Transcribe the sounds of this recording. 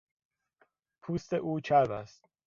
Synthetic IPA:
pʰuːst̪eʔuːt͡ʃʰæɾbæ̰st̪̚

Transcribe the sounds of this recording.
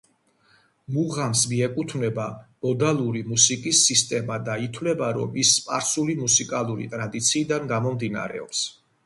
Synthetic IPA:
muʁamsmiɛkʼut̪ʰvnɛbab̥ɔd̪alˠuɾimusikʼisːist̪ʼɛmad̪ait̪ʰwlɛbaɾɔ̰misːpʼaɾsulimusikʼalˠuɾḭt̪ʼɾad̪it̪sʰiːd̪anɡamɔmd̪ina̰ɾɛ̰ɔ̰ps

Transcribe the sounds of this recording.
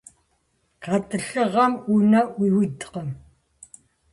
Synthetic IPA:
qatʼɨɬɨʁɐmunɐiwitqəm

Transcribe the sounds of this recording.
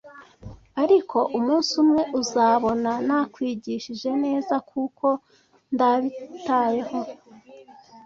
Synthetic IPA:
aɾikʰo̞ʔumuːnsumŋe̞ʔuzaːβo̞nanakwiːɟiːʃiʒe̞ne̞ːzakʰuko̞ | ndaβitaːje̞ho̞

